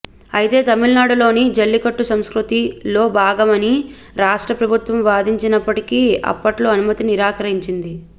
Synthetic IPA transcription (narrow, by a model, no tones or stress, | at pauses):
ɐjit̪e̞ːt̪ɐmilnaːɽulo̞ːnid͡ʒɐlːikɐʈːusɐmskɾut̪ilo̞ːbaːɡɐmɐni | ɾaːʂʈɾɐpɾɐbʱut̪ʋɐmʋaːd̪iɲt͡ʃinɐpːɐʈikiːɐ̰pːɐʈlo̞ːɐnumɐt̪iniɾaːkɐɾiɲt͡ʃind̪i